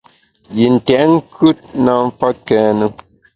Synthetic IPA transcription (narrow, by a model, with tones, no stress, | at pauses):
ji˨n̩˨tɛ˨ʔŋ̩˦kʉ˦t̚na˨˦ɱ˦fa˦kɛː˦nə˦